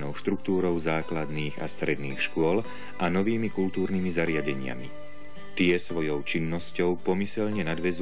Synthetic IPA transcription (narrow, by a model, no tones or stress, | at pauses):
nɔʊʃt̪ɾukt̪uːɾɔʊzaːklad̪niːɣa̰st̪ɾɛd̪niːxʃkʊɔl | ʔanɔʋiːmikult̪uːɾnimizaɾɪaɟɛɲɪa̰mi | t̪ɪɛsʋɔjɔʊt͡ʃinːɔscɔʊpɔmisɛʎɲɛnad̪ʋɛz